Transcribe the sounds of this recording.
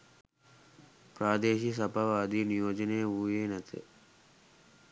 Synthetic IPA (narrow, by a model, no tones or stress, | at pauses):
pɾaːd̪eːʃis̬ɐbʱɐʋaːd̪inijoːd͡ʒɐneːuːjeːnɐt̪ʰḛ